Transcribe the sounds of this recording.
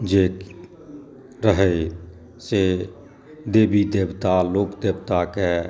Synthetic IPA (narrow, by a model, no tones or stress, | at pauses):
d͡ʒeːk | ɾəɦə | se | d̪eːbid̪eːbt̪aloːkd̪eːbt̪ake